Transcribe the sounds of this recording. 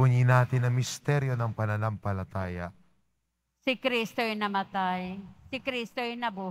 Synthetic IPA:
uɲinaːt̪ɪnɐŋmɪst̪ɛɾjonɐŋpɐnɐnaŋpɐlɐt̪aːjɐ̰ | sɪkɾist̪oɛnɐmɐt̪ajsɪkɾist̪oɪnɐbuː

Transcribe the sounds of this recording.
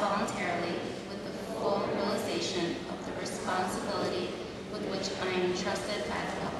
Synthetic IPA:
ɑlˠə̃ntʰɛɹl̩ˠi | wɨðɨfɔmɹiəlˠəzeɪʃɨ̃nʌvðɨɹɨspɑ̃nsɨbɪlˠəɾi | wɨðwɪt͡ʃãɪɨ̃tʰɹ̥ʌstɨd̚baɪðɨʌ

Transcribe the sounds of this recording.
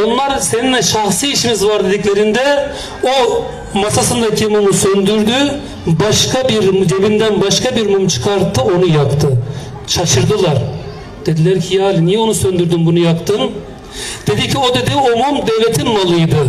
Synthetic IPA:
o̞nlˠaɾse̞ninʲɛʃaxsiiʃimizvaɾd̪e̞d̪iclʲe̞ɾind̪ɛ | o | masasɯnd̪acʰimumusønd̪yɾd̪y | baʃkʰabiɾmd͡ʒebind̪ænbaʃkabiɾmumt͡ʃʰɯ̥kʰaɾt̪ʰːɯo̞nujakt̪ʰɯ | t͡ʃʰaʃɯɾd̪ɯlˠaɾ | d̪̥ed̪ilʲæɾcʰijaalʲinijɛo̞nusønd̪yɾd̪ymbunujakt̪ʰɯn | d̪̥e̞d̪icʰio̞d̪e̞d̪iomumd̪evlʲet̪ʰinmalˠɯjd̪ɯ

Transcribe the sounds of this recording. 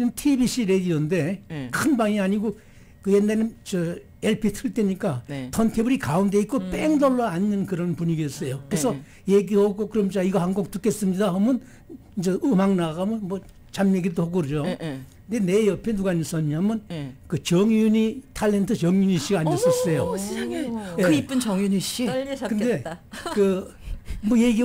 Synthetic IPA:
ɯntʰibiɕ͈ʰiɾed̪ionde̞kʰɯnbaŋeaɲiɡo | kɯjenːaɾeɯnt͡ɕʌ | eɭpʰitʰɯɭt͈eɲik͈atʰʌntʰebɯɾikaund̪e̞ik͈op͈eŋdʌɭːoanːɯnkɯɾʌnpuɲiɡeʌs͈ʌjokɯɾesʰʌ | jeɡihoɡokɯɾʌmt͡ɕaiɡʌhanɡok̚t͈uk͈e̞s͈ɯmɲidaɦamɯn | d͡ʑeumaŋnaamɯnmwʌ | t͡ɕamjeɡiddohoɡoɾd͡ʑoknd̪e̞ne̞jʌpʰenuɡaɲis͈ʌɲːiamɯnkɯt͡ɕʌŋjuɲitʰalːe̞ntʰɯt͡ɕʌŋjuɲiɕ͈iɡaːɲʌs͈ʌs͈ʌjo | jeip͈ɯnt͡ɕʌŋjuniɕikɯnde̞kɯ | mʌjeɡi

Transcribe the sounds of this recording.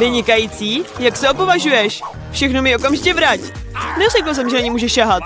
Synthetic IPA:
vɪɲɪkajiːt͡siːjaksɛo̞po̞vaʒujɛʃ | fʃɛxnomɪo̞kamʒɪcɛvɾac | nɛrɛk̬l̩s̬ɛmʒɛnaɲɪmuːʒɛʃaɦat̪

